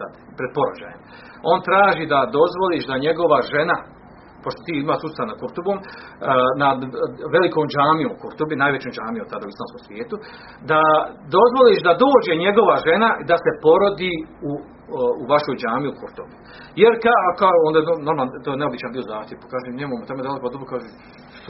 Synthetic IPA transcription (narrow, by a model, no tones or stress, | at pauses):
sa̰d̪ | pɾed̪̚po̞ɾod͡ʒa̰ːjem | o̞nt̪ɾaːʒiːd̪ad̪o̞zʋo̞liːʃd̪aɲe̞ɡo̞ʋaʒe̞na | po̞ʃt̪ot̪iːimaːʃsusanakuɾt̪uboːm | nad̪ʋe̞likoːmd͡ʒaːmijoːmukuɾt̪obinaːjʋet͡ɕomd͡ʒaːmiomt̪ad̪auislˠaːmsko̰ːmsʋjeːt̪u | d̪ad̪o̞zʋo̞liːʃd̪ad̪oːd͡ʑe̞ɲeɡo̞ʋaʒe̞nad̪ase̞po̞ɾo̞d̪iːu | uʋaʃoːjd͡ʒaːmiukʰuɾt̪obi | jeɾkakaoond̪aeonoɾmalt̪ojneobit͡ɕanbiːozaːxt̪jeʋpḁkaːʒemneːmomot̪omed̪alˠekod̪obɾokaʒe